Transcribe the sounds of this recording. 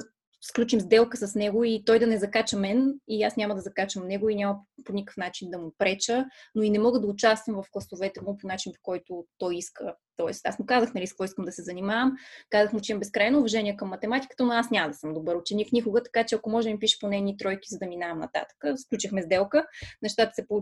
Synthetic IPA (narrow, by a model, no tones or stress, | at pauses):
sklʲut͡ʃimzd̪ɛlˠkəsɐsnɛɡʊit̪ɔjd̪ɐnɛzɐkat͡ʃəmɛniasnʲamɐd̪ɐzɐkat͡ʃəmnɛɡoinʲamɐponʲikə̥fn̪at͡ʃind̪ɐmʊpɾɛt͡ʃənoinɛmɔɡəd̪ɐʊt͡ʃast̪vəmvɐfɡlˠɐsovɛt̪ɛmʊponat͡ʃinpo̥kɔjt̪ʊt̪ɔjiskət̪ɔɛ̰st̪a̰smʊkazəxnɐliskvɔiskəmd̪ɐsɛzɐnʲimavəmkazəxmʊt͡ʃɛimɐmbɛskɾajnoːvɐʒɛnʲiɛkəmːɐt̪ɛmat̪i̥kə̥t̪ənoasnʲamɐd̪ɐsɤmd̪obɤɾʊt͡ʃɛniknʲikʊɡət̪ɐ̥kat͡ʃɛɐkomɔʒɛmipiʃə̥ponɛnit̪ɾɔjkizɐd̪ɐminaɐmnɐ̰t̪a̰t̪ə̥kəsklʲut͡ʃixmɛzd̪ɛlˠkənɛʃt̪at̪ə̥sɛpo